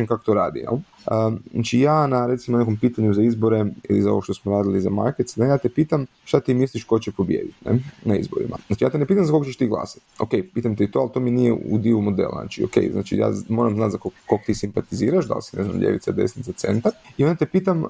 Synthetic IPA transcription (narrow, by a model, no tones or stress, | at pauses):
mkako̥t̪oɾa̰ːd̪ḭjḛl | əat͡ʃijaːnaɾe̞t̪simonekompiːt̪aɲuzaizbo̞ɾe̞ilizao̞ʋo̞ʃt̪osmoɾaːd̪iliza̰ma̰jket̪snejaːt̪epiːt̪am | ʃt̪at̪iːmisliʃko̞t͡ɕepo̞bjḛd̪it̪nɛ̰naizbo̞̰ɾḭma̰zaːt͡ʃijaːt̪enepiːt̪amzakoɡot͡ɕeʃt̪iɡlˠa̰ːsḁt̪o̞̰kejpiːt̪amt̪eit̪oalt̪o̞minijeṵd̪iumo̞d̪ḛl̰ˠna̰t͡ʃio̰kḛjzna̰ːt͡ʃḭja̰ːmo̞ːɾamznat̪zakokːokt̪isimpat̪iziːɾaʃd̪a̰lsineznamʎʲḛʋit̪sad̪ḛsnit̪sat̪se̞̰nt̪aɾiod̪at̪epiːt̪am